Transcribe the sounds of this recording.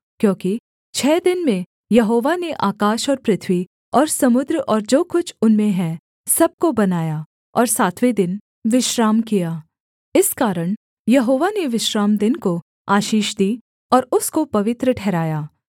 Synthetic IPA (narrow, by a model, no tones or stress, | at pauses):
kjõːki | t͡ʃʰɛːd̪ɪnmẽ | jɐɦoːʋaneʔaːkaːʃɔːɾpɾɪt̪ʰʋi | ɔːɾsɐmʊd̪ɾəɔːɾd͡ʒoːkʊt͡ʃʰʊnmẽɦɛ̃ | sɐb̚kobɐnaːja | ɔːɾsaːt̪ʰʋed̪ɪn | ʋɪʃɾaːmkijaː | ɪskaːɾəɽ̃ | jɐɦoːʋaneʋɪʃɾaːmd̪ɪnko | aːʃiːʃd̪iː | ɔːɾʊskopɐʋɪt̪ɾəʈʰɛːɾaːjaː